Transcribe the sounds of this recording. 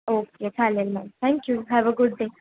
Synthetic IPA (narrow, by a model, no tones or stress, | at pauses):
oːketʰalelmãnt̪ʰɛ̃ŋkjuɦaʋəɡʊɖːe